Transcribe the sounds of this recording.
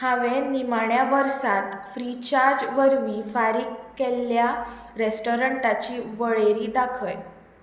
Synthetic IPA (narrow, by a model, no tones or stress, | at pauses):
hãʋenimaɳjaʋəɾsãt̪fɾit͡ɕaɾd͡ʑʋəɾʋiːfaɾiːkːelːja | ɾesʈoɾəɳʈat͡ɕiːʋəɭeɾiːd̪akʰəj